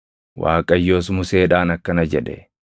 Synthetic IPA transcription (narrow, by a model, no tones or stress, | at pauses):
wʔa̰ːkʼɐjːo̞ːsmʊseːᶑaːnɐkːɐnɐd͡ʒɛᶑɛ